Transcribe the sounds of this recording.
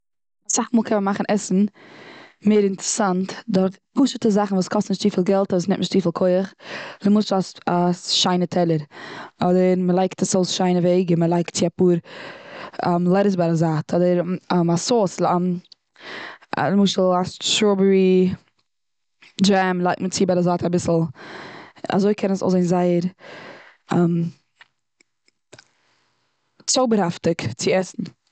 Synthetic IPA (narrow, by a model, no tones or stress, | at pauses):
asaχmuːlˠkʰɛnmənmaχn̩ʔɛsn̩ | meɪɾɪntəɾəsantdɔɾf | puʃətəzaχn̩vuːskʰɔstnɪʃtiːfiːlˠɡɛlˠtvusnɪ̰tnɪʃtt͡siːfilˠkʰoɪəχləmʊʃl̩ˠasasʃaɪnətʰɛlˠəɾɔdəɾməlˠaɪktasoʊsʃaɪnəveɪɡəməlˠaɪktt͡sɪapuːɾ | amlˠɛɾəs̬baɾazaːtʰɔdəɾɛmasoːslam | a̰mɪʃl̩ˠaʃɾobəɾi | d͡ʒɛmlˠaɪk̚tmət͡sɪbaɾazaːtabɪsl̩ˠ | a̰zoɪkʰɛnəsɔ̰zeɪnzaɪəɾ | ɛm | t͡soʊbəɾhaftɪkt͡sɪɛsn̩